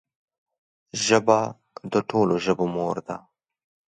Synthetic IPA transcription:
ʒəba | d̪əʈʰoːloʒəbomoːɾd̪a

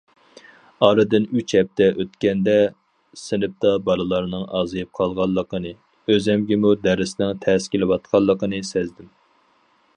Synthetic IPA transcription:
ɑɾɨd̪ɨnyt͡ʃhɛp̚t̪ʰɛʔøt̪kʲɛnd̪ɛ | sɪnɪp̚t̪ɑbɑɾɨlˠɑɾnɨŋɑːzɨjɨp̚qʰɑlˠʁɑlˠːəqənɨ | øzɛmɡʲɛmud̪æɾɪsɪnɪŋt̪ʰɛskʲilɪwɑt̪̚qʰɑlˠːəqənɨsɛzd̪ɪm

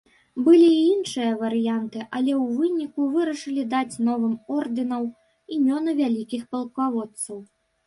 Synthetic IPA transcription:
bɨlʲiːinʂɨjɐvɐɾɨjant̪ɨʔɐlʲɛwvɨnʲikuvɨɾɐʂɨlʲid̪at͡sʲnɔvɨmɔrd̪ɨnɐw | imʲɔnɨvʲalʲikʲixpɐlˠkavɔt̪sɐw

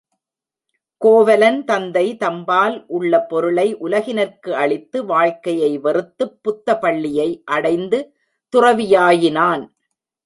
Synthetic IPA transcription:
koːʋɐlɐnt̪ɐnd̪ɐɪt̪ɐmbaːlʔʊɭːɐpɔɾɯɭɐɪʔʊlɐɣɪnɐɾkɯʔɐɭɪt̪ːɯʋaːɻkɐjɐɪʋɛrɯt̪ːɯpːʊt̪ːɐpɐɭːɪjɐɪʔɐɽɐɪnd̪ɯ | t̪ʊrɐʋɪjaːjɪnaːn

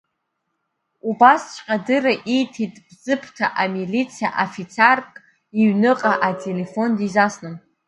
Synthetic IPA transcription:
ubast͡ʃʰʷʼqʲʼadɨraʔijtʰitʼbzɨpʰtʰa̰ʔamilit͡sʰija̰ʔafit͡sʰarkʼ | iɥnɨqʼaʔatʰʼe̞le̞fo̞ndizasnɨn

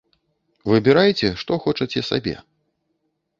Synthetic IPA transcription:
vɨbʲiɾajt͡sʲɛʂt̪ɔxɔt͡ʂɐt͡sʲɛsa̰bʲɛ̰

